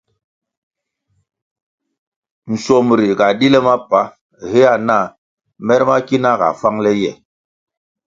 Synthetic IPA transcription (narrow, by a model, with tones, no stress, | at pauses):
n̩˨sɔ˨m˨ɾi˨ka˨di˦lɛ˦ma˦pa˨˦ | he˦a˦˨na˦˨ | mɛ˦ɾma˦ki˦na˦˨ka̰˨fa˦ŋlɛ˦jɛ˨